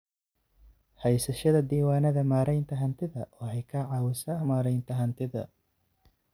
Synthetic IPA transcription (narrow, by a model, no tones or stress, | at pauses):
hɛjsɐʃɐðɐd̪iːwaːnɐðɐmaːɾɛjnt̪ʰɐɦɐnt̪ʰɪðɐʔɔːhɛjkʰɐʕɑːwɪsɐhmaːɾɛjnt̪ʰɐɦɐnt̪ʰɪðɐ̰